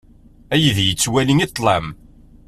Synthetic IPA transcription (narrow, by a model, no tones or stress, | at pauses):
æjðjət͡sːwæliŋit̪ˤːlˤæm